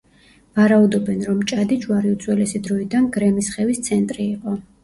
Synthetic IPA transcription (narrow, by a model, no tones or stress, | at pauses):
vaɾaud̪ɔbɛnɾɔmt͡ʃʼad̪it͡ʃʰʼwaɾiut̪sʰʼwɛlɛsid̪ɾɔid̪anɡɾɛmisχɛvist̪sʰɛnt̪ʼɾiːqʼɔ